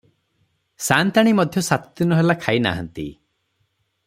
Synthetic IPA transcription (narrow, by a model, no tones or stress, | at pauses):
sant̪aɽ̃imɔd̪ʱjɔsat̪unɔɦelakʰaina̰ɦɔ̰nt̪ḭ